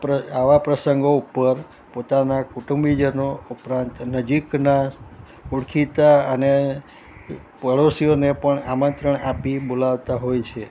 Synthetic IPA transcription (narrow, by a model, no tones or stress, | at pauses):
əaʋapɾəsəŋɡoupːəɾ | pot̪anakuʈumbid͡ʒənoupɾãnt̪nəd͡ʒikna | uɽkʰit̪aəne | pəɽosijonepəɳamə̃nt̪ɾəɳapibolaʋt̪aɦojt͡ʃʰe